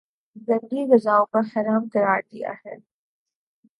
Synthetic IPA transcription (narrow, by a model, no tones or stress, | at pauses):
zɐ̃nd̪iɣɐzaːõpɐɾxɐɾaːmkɐɾaːɾd̪ija̰ɦɛː